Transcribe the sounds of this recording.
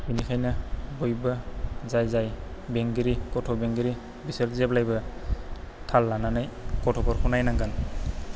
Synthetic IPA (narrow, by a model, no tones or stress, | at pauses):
binikʰajnabɔjbazajzajbeŋɡiɾikɔtʰɔbeŋɡiɾi | biseɾzɛblajba | tʰalːananajkɔtʰɔkɔɾkʰɔnajnaŋɡan